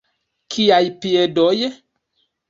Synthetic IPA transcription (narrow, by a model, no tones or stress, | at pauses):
kiajpiedɔje